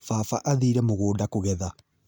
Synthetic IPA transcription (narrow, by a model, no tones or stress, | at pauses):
fafaʔaðiɾɛmoɣoːdakoɣɛða